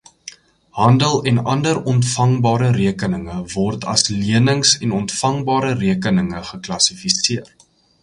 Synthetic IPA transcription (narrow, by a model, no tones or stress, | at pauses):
hɦɐndəlˠɛnɐndəɾɔntfɐŋbɑːɾəɾiəkənəŋəvɔrtʰɐ̰sliənəŋsɛnɔntfɐŋbɑːɾəriəkənəŋəχəklɐsifisiər